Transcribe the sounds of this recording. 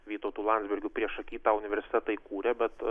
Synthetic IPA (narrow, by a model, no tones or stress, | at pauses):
ʋʲiːt̪oːt̪uːlˠɑnd̪zʲbʲɪɾʲɡʲʊpʲɾʲiɛʃɐkʲiːt̪ɑːʊnʲɪʋʲɛɾʲsʲɪ̥t̪ʲɛt̪ɐikuːɾʲɛbʲɛt̪